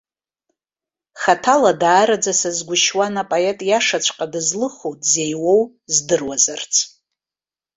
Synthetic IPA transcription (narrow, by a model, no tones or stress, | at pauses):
χatʰaladaːɾad͡zasazɡʷʊʃwanapʼaetʼjaʂat͡ʃʷʰqʼadɨzlɨχowtʼzejwo̞w | zdɨrwazart͡sʰʼ